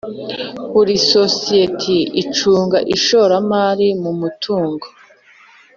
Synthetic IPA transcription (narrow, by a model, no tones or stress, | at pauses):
βuɾisosijetʰiit͡ʃuːŋɡaʔiʃoɾamaːɾimumutʰuːŋɡo